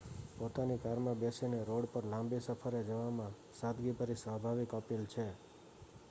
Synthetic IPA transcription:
pot̪anikaɾmãbesineɾoɽpəɾlãmbisəpʰəɾed͡ʒəʋamã | sat̪ɡipəɾisʋabʱaʋikəpelt͡ʃʰe

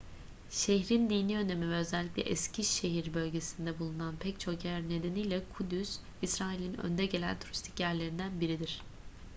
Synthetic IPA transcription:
ʃeçɾind̪iːnʲiø̞ne̞mivɛøzælʲːiclʲɛ̰ʔɛscʰiʃe̞ɦiɾbø̞lʲɟe̞sind̪ɛbulˠunanpʰɛct͡ʃʰo̞kjæɾne̞d̪e̞nijlʲɛkʰud̪ys | isɾaːilʲinø̰nd̪ɛɟelʲæ̰nt̪ʰuɾist̪ʰi̥cjæɾlʲe̞ɾind̪ænbiɾid̪iɾ̝̥

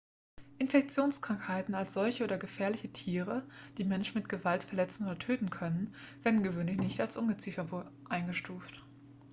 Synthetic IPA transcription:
ʔɪnfɛk̚t͡sjoːnskʁ̥aŋkhaɪtn̩alsz̥ɔlçəʔoːdɐɡəfɛːɐlɪçətʰiːʁ̞əd̥iːmɛnʃn̩mɪtɡ̥əvaltfɛɐlɛt͡sn̩oːdɐtʰøːtn̩kʰœnənveːɐdn̩ɡəvøːnlɪçnɪçtalsʔʊmɡət͡sifɐbʔaɪnɡəʃtuːft

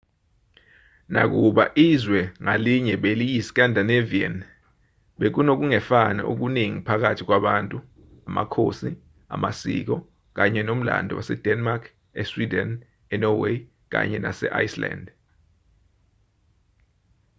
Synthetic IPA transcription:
nak̬uɓaʔizwɛŋaliɲɛɓelijisi̥k̬ʼandʱaneviɛn | ɓek̬unok̬uŋɛfana̰ʔṵk̬uniŋipʰak̬atʰik̬waɓaːntʼu | ama̰kʰo̰si | a̰masḭk̬ɔ | k̬aɲɛnom̩la̰ndʱɔ̰wasɛd̥ʱɛnmakʰ | ɛswidɛn | ɛnɔwe | k̬a̰ɲɛna̰sɛ̰ʔa̰jsla̰nd

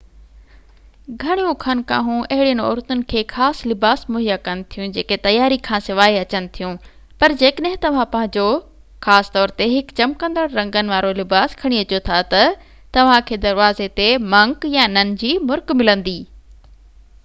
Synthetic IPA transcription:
ɡʱɐɽ̃jũkʰɐnka̰ːɦũʔɐɦɪɽijənɔ̰ːɾt̪ʊnɪ̆kʰeːxaːslɪbaːsmʊɦijakɐnɪ̆t̪ʰijũd͡ʑeːket̪ɐjaːɾikʰãːsɪʋaːiɐt͡ɕənɪ̆t̪ʰijũ | pɐɾd͡ʑeːkəɗɦɪ̃t̪ɐʋ̤ãpɐ̃ɦɪ̃ɲd͡ʑo | xaːst̪ɔːɾt̪eɦɪkt͡ɕɐmkə̃nd̪əɽɾɐ̃ŋɡənɪ̆ʋaːɾolɪbaːskʰɐɽ̃iɐt͡ɕjot̪ʰat̪ɐ | t̪ɐʋ̤ãkʰeːd̪ɐɾʋaːzet̪emɐ̃ŋkjanɐnɪ̆d͡ʑiːmʊɾkmɪlə̃nd̪iː

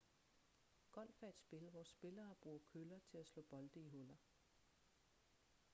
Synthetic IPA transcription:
ɡ̥ɒ̽l̰fæed̥sb̥e̝ləʋɒsːb̥e̝lɐːb̥ʁuːɐkʰølɐt͡sʰe̝læslɔ̰̽ːb̥ɒ̽ld̥əiɦɔlɐ

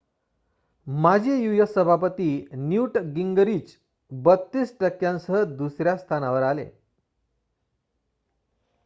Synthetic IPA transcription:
mad͡ʑʱejujəsəbʱapət̪iːnjuʈɡiŋɡəɾiːt͡ɕ | bət̪ːiːsʈəkːjãnsəɦəd̪usɾjast̪ʰanaʋəɾalḛ

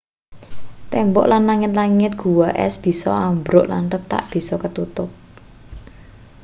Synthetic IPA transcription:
t̪ɛmbɔ̰ʔlanlaŋɪt̪laŋɪt̪̚ɡ̥ṳwaʔɛ̰sb̥i̤sɔambɾʊʔlanrəp̚t̪a̰ʔb̥i̤sɔkət̪ut̪ʊp̚

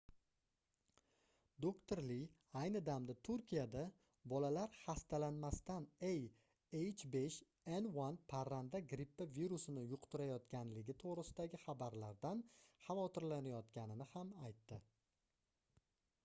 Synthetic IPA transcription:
d̪okt̪ʰoɾlɪj | ajnɪd̪amd̪at̪ʰʊɾkʲʰijad̪a | bɒlalaɾhast̪alanmast̪anej | ejt͡ʃʰbeʃ | enwanpʰaɾand̪aɡɾipːaviɾusɪnɪjʊqt̪ʊɾajɒt̪kʲanlɪɡʲɪt̪ʰoʁɾɪsɪd̪aɡʲɪχabaɾlaɾd̪anχɑvɒt̪ʰɪɾlanajɒt̪kʲanɪnɪhamajt̪ːɪ

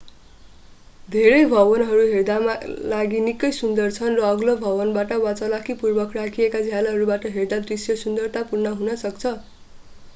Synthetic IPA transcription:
d̪ʱeɾʌjbʱʌbʌnɦʌɾuɦerd̪amalaɡinikʌjsund̪ʌrt͡sʰʌnrʌːɡlobʱʌbʌnbaʈʌwat͡sʌlakʰipurbʌkrakʰiekad͡zʱjalaɦʌɾubaʈʌɦerd̪ad̪risjʌsund̪ʌrt̪apurnʌɦunʌsʌkt͡sʰʌ

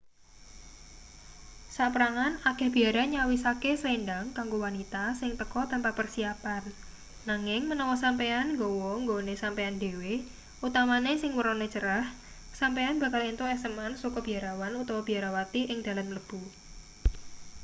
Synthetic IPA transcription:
saʔpəɾaŋanaɡ̥ɛ̤hb̥i̤aɾaɲawisakesəlenɖaŋkaŋɡowanit̪asɪŋt̪əkɔt̪ampapərsiapanː | aŋɪŋmənɔwɔsampeanŋɡowɔŋɡonesampeandewe | ut̪amanesɪŋwəɾɔnet͡ʃəɾah | sampeanb̥a̤kalint̪uɛsəmansukɔb̥i̤aɾawanut̪ɔwɔb̥i̤aɾawat̪iʔɪŋd̥̪a̤lamləb̥u

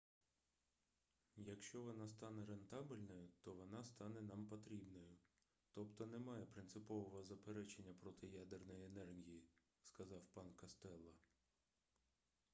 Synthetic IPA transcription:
jɐkʃt͡ʃɔʋɔnɑst̪ɑnɛɾe̞nt̪ɑbɪlʲnɔjʊt̪ɔʋɔnɑst̪ɑnɛnɑmpɔt̪ɾʲibnɔjʊ | t̪ɔpt̪ɔnemɑjɛpɾɪnsɪpɔʋɔɦɔzɐpeɾɛt͡ʃenʲːɐpɾɔt̪ɪjad̪ernɔjenɛrɦʲiji | skɐzɑwpɑnkɐst̪ɛlˠːɐ

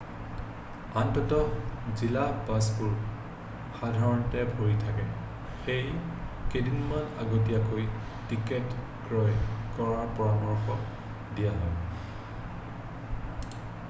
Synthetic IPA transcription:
antɔtɔzilapasbuɹ | xadʱaɹɔntɛbʱoɹjtʰakɛ | xejkedʱinmanaɡotijakoj | tiket | kɹɔjkɔɹaɹpɔɹamɔɹxɔ | dijaɦɔj

